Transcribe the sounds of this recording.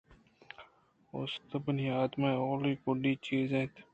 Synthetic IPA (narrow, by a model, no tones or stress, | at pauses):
o̰st̪əbəniaːd̪maoːliːkʊɖiːt͡ʃiːzẽt̪ʰ